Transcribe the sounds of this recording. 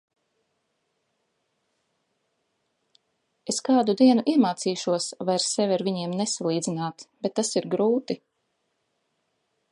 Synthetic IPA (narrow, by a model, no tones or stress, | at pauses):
eskaːd̪ud̪iɛnuʔiɛmaːt̪siːʃuɔsvajɾsevʲaɾviɲiɛmnesalˠiːd̪zinaːt̪b̥et̪ːasiɾɡɾuːt̪i